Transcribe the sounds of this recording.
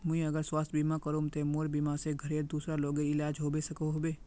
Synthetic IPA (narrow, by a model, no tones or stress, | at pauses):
mʊ̃ĩɐɡəɾswaːst̪ʰbiːmakəɾõːmt̪emoːɾbiːmaseɡʱɐɾeːɾd̪uːsɾaloːɡeɪlaːd͡ʒɦoːbesɐkoɦoːbe